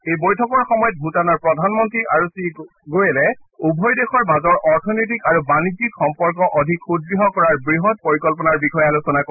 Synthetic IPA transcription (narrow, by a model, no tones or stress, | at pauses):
ejbɔjtʰɔkɔɹxɔmɔjɔt̚bʱutanaɹpɹɔdʱanmɔntɹiʔaɹusi | ɡojɛlɛubʱɔjdexɔɹmazɔɹʔɔɹtʰɔnojt̬ikaɹubanid͡ʒikxɔmpɔɹkɔʔɔdʱikxud̚ɡɹiɦɔkɔɹaɹbɹiɦɔt̚poɹikɔlpɔnaɹbixɔjɛalusɔnak